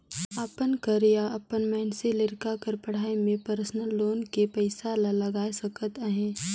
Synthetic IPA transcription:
apənkəɾjaɐpənmɛːnselɪɾkakəɾpɐɽ̤aːemẽpəɾsnəlːoːnkepɐɪsalalɐɡaːesɐkət̪əɦẽː

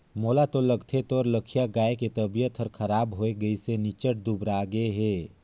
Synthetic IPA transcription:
moːlat̪oləɡt̪ʰet̪ɔːɾləkʰijaɡaːeket̪əbijət̪ʰəɾkʰəɾaːbɦoeɡəisenit͡ʃəʈ̚d̪ubɾaɡəeɦɛː

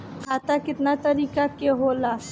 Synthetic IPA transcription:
kaːt̪akɪt̪nat̪ɐɾiːkakeɦoːlaː

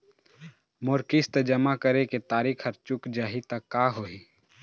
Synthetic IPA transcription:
moɾkɪst̪d͡ʒəmakəɾeket̪aːɾiːkʰɐɾt͡ʃʊkd͡ʒaːɦit̪akːaːɦoːiː

